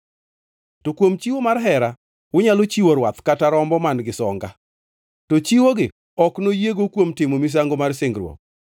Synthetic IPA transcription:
tokwomt͡ʃiwomarɦɛɾa | wʊɲalot͡ʃiwoɾwat̪kataɾɔmbɔmanɡɪsɔ̰ŋɡa | tot͡ʃiwoɡɪ | ɔknojeɡokwomtɪmomis̬aŋɡomarsɪŋɡɾwɔ̰k̚

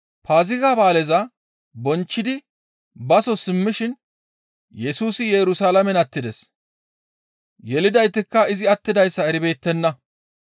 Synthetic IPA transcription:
paːzɪɡaːbaːlɛzɐ | bɔnt͡ʃːɪd̪ɪ | bɐsɔsɪmːɪʃɪn | jɛsuːsɪjɛɾʊsaːlɐmɛnɐt̪ːɪd̪ɛs | jɛlɪd̪ɐjt̪ːɪkːɐɪzɪɐt̪ːɪd̪ɐjsːɐɛɾɪbe̞ːt̪ːɛnːɐ

